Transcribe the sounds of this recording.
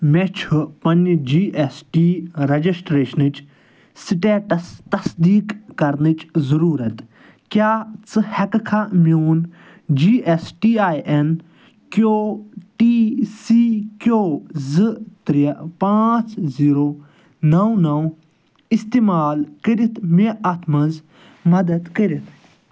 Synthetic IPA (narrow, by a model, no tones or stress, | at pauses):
mɛt͡ʃʰupɐnd͡ʒiːʔesʈiːɾɐd͡ʒisʈɾeːʃənɨt͡ʃ | siʈeːʈɐst̪ɐsd̪iːkːɐɾnit͡ʃzɐɾuːɾɐt̪ | kjaːt͡sɨhɛkkʰamjoːn | d͡ʒiːʔesʈiːaːiʔen | koːʈiːsiːkʲoːzɨt̪ɾijpãːt͡sziːɾoː | nɐwnɐw | ist̪eːmaːlkəɾit̪ʰmeʔɐt̪ʰmɐnz | mɐd̪ɐd̪kəɾit̪ʰ